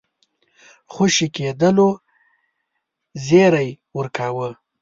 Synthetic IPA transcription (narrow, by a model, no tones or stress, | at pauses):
xoʃiked̪əlo | zeɾaj | wəɾkʰawə